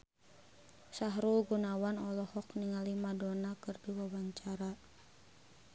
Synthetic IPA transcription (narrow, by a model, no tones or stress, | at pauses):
saɦɾuɡunawanɔlɔhɔkniŋalimadɔnakɨrdiwawaɲt͡ʃaɾa